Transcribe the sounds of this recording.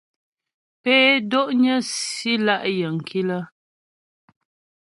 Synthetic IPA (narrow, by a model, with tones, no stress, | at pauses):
pɛː˦do˦ʔɲə˦si˦la˦˨ʔjə˨ŋ̩˨kʰi˦lə˦